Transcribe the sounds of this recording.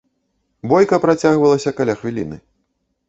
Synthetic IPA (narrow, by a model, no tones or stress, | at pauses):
bɔjkɐpɾat͡sʲaɣvɐlˠɐsʲɐkalʲaxvʲilʲinɨ̰